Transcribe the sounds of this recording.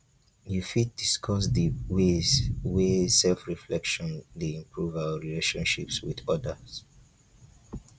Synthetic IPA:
jufit̚d̥iskʰɔs̬diwezwesɛlfɹiflɛkʃɔ̃ndiĩmpʰɹuvaɹileʃɔ̃nʃḭpswḭdɔdəs

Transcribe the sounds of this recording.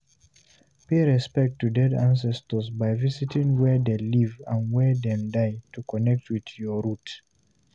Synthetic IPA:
peɹɛspɛk̚tːudɛdãns̬ɛstəsbaɪvisitʰĩŋwɛdelivãnwɛdɛ̃mdaɪtukɔnɛk̚tʰwiðjɔɹut

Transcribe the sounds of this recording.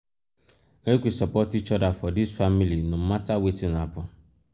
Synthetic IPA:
ŋekʷisapɔtit͡ʃɔdafɔdisfamilinũmatawetĩnapʊ

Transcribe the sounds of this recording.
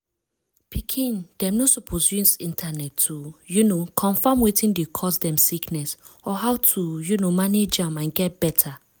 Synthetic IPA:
pʰikʰĩnd̥ɛ̃mnosɔpʰosjusĩntʰanɛtʰːujunokʰɔ̃nfamwitʰĩndekʰɔsdɛ̃msiknɛs | ɔɦawtʰujunomaned͡ʒãmãnɡɛt̚b̥ɛtʰa

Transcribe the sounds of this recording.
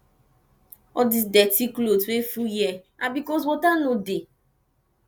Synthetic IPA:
ɔdisdɛtiklotwefujɛabikɔs̬wɔtanode

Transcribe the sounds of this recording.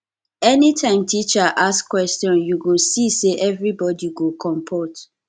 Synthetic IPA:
ɛnitʰãɪ̃mtʰit͡ʃaʔaskwɛstjɔ̃njuɡosiseʔɛvɹibɔdiɡokʰɔ̃mpʰot

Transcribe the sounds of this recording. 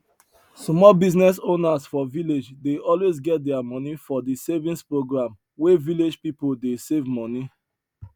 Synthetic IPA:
smɔlbiznɛsonasfɔviled͡ʒdeɔlwezɡɛt̚dɛamɔ̃nifɔdisevĩnspɹoɡɹãm | weviled͡ʒpipoldesevmɔni

